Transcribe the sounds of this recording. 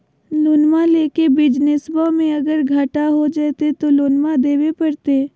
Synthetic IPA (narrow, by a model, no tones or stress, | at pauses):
lʊnmaleːkebɪd͡ʒnɪsbamẽɐɡəɾɡʱaːʈaɦod͡ʒat̪et̪oloːnmad̪eːwepɐɾt̪eː